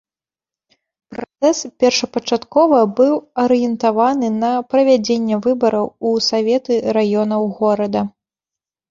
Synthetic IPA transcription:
pɾat̪sɛspʲɛrʂɐpɐt͡ʂat̪kɔvɐbɨwɐɾɨjɛnt̪avanɨnɐpɾɐvʲad͡zʲenʲːɛvɨbɐɾɐwusavʲɛt̪ɨɾajɔnɐwɣɔɾɐd̪ɐ

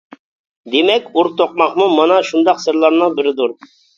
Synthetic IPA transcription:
d̪emɛkʲuɾt̪ʰoq̚mɑqmumɑnɑʃund̪ɑqsɨɾlˠɑɾnɨŋbɪɾɪd̪uɾ

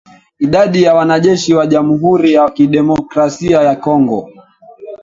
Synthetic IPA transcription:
iɗaɗijawanaʄɛʃiwaʄamuɦuɾijakiɗɛmɔkɾasiajakɔŋɡɔ̰

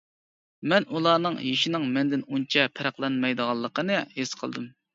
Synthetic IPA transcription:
mɛnulˠɑːnɨŋjiʃɪnɪŋmɛnd̪ɪnunt͡ʃʰɛpʰɪɾæχlˠɑnmɑjd̪əʁɑlˠːəqənɨhesqʰəlˠd̪ɨm

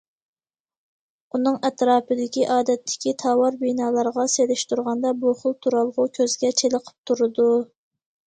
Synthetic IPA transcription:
unɨŋɛt̪ɾɑːpɨd̪ɪkʲiʔɑːd̪ɛt̪ʰːɪ̥kʲit̪ʰɑwɑɾbinɑːlˠɑɾʁɑselɪʃt̪uɾʁɑnd̪ɑbuχʊlˠt̪ʰuɾɑlˠʁʊkʲʰøzɡʲɛt͡ʃʰeləqʰə̥p̚t̪ʰuɾɨd̪u

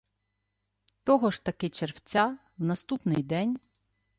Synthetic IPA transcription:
t̪ɔɦɔʃt̪ɐkɪt͡ʃerwt͡sʲa | wnɐst̪upnɪjd̪ɛnʲ

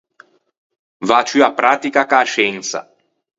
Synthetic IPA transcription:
vat͡ʃyapːɾaːt̪ikakaːʃɛnt̪sa̰

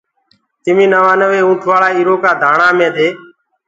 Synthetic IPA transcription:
t̪ɪmĩːnəʋaːnəʋeːũːʈʰʋaːɭaːiːɾoːkaːd̪ʱaːɳaːmẽːd̪eː

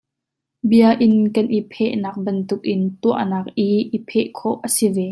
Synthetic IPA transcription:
biəʔɪnkɐnʔipʰɛʔnaːk̚bɐnt̪ʊk̚ʔɪnt̪uəʔnaːk̚ʔiʔipʰɛʔkʰɔʔʔːəsivɛ

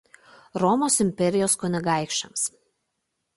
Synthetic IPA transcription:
ɾɔmoːsɪmʲpʲɛɾʲɪjoːskɔnʲɪɡɑˑɪkʃʲt͡ʃɐms

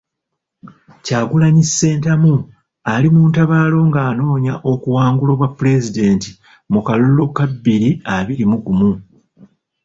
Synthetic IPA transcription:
caːɡulaɲisːe̞ːntamu | alimuːntaβaːlo̞ŋɡaːno̞ːɲaʔo̞kuwaːŋɡulo̞ːβwapːule̞zide̞ːnti̥ | mukalulo̞kabːiɾiaβiɾimuɡumu

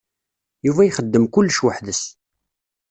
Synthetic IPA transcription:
juvæjχəd̪ːəmkʊlːʃwəħðəs

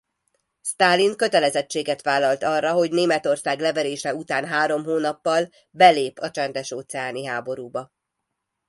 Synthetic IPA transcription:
st̪aːlːiŋkø̞t̪ɛlɛzɛt͡ʃːeːɡɛt̪ʋaːlːɒlt̪ɒrːɒɦo̞ɟneːmɛt̪o̞rsaːɡlɛvɛɾeːʃɛut̪aːnɦaːɾo̞mɦoːnɒpːɒl | bɛleːpɒt͡ʃɛnd̪ɛʃoːt̪sɛaːniɦaːbo̞ɾuːbɒ

